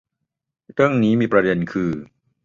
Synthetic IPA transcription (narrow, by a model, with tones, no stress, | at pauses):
ɾɯ˥˩əŋniː˦˥miː˧˩pɾa˧de˧nkʰɯː˧